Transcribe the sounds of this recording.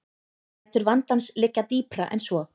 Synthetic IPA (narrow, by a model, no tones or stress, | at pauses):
ɛt̪ːʏɾvant̪anslɪcːat̪iːpɾaʔɛ̰nsvɔ